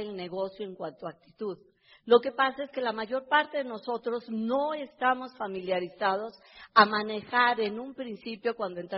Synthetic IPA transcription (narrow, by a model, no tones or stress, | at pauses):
elne̞ɣo̞sjo̞e̞ŋkwant̪oak̚t̪i̥t̪uð | lo̞ke̞pasae̞ske̞lamaʝo̞ɾpaɾt̪e̞ðeno̞so̞t̪ɾo̞zno̞e̞st̪amo̞sfamiljaɾisaðo̞s | amane̞xaɾe̞numpɾinsipjo̞kwand̪oe̞nt̪ɾ